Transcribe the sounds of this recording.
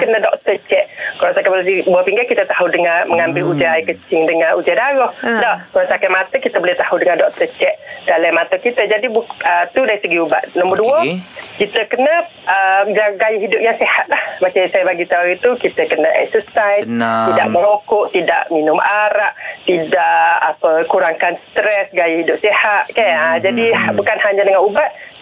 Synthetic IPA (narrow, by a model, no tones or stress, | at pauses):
kənədɔk̚t̪ət͡ʃɛʔkalasakablbuapiŋɡakit̪ət̪aɦudəŋaməŋambɪlud͡ʒəajikət͡ʃɪŋdəŋaʔud͡ʒədaɾɔhdaʔkalasakamat̪əkit̪əbolɪt̪ahudəŋandɔk̚t̪ət͡ʃɛʔd̥alamat̪əkit̪əd͡ʒadiət̪udaɾisəɡiuba̰ʔnɔmbərduəkit̪əkənə | əɡaɡajəɦidʊp̚jaŋsehat̪̚lahmasisajəbaɡit̪auit̪ukit̪əkənəʔɛ̰k̚səsaj̪ida̰ʔməŋokʊʔt̪ida̰ʔminʊmʔaɾaʔt̪idaʔapəkuɾaŋkansə̥t̪ɾɛsɡajəhidʊp̚sehat̪̚kajəd͡ʒadibukanhaɲadəŋanubat̪̚